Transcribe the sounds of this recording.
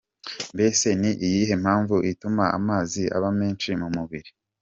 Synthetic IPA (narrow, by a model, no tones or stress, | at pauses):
mbe̞se̞niʔijiɦe̞m̥haːɱvuʔitumaa̰maːziʔa̰βame̞ːnʃimumuβiɾi